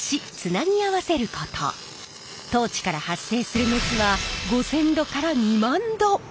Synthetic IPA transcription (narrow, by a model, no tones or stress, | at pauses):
ɕit͡sɨnaɲ̟iaβase̞ɾɯ̟kot̪ʰo̰ | t̪o̞ːt͡ɕi̥kaɾahasːe̞ːsɨɾɯ̟met͡sɨβaɡo̞sẽ̞nd̪o̞kaɾaɲ̟imãnd̪o̞